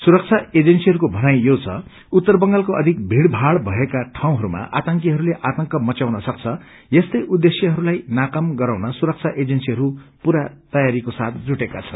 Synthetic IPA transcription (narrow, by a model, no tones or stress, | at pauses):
suɾʌk̚t͡sʰaed͡zensiɦʌɾukobʱʌnajjot͡sʰʌ̰ | ut̪ːʌrbʌŋɡalkoʌd̪ʱik̚bʱiɽbʱaɽbʱʌekaʈʰaw̃ɦʌɾuma̰ʔa̰t̪ʌŋk̬iɦʌɾuleʔat̪ʌŋkʌmʌt͡sjawnʌsʌk̚t͡sʰʌ | jest̪ʌjʔud̪ːesjʌɦʌɾulajnakʌmɡʌɾawnʌsuɾʌk̚t͡sʰaʔed͡zensiɦʌɾupuɾat̪ʌjaɾikosat̪̚ʰd͡zuʈekat͡sʰʌn